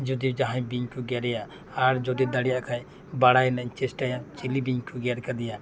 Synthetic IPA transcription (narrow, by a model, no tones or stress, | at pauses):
d͡ʒud̪id͡ʒaɦãɲbiɲkuɡɛɾɛja | aɾd͡ʒɔd̪id̪aɽɛjaʔkʰaj | baɽajnaɲt͡ʃɛsʈajat͡ʃilibiɲkuɡɛɾkad̪ɛja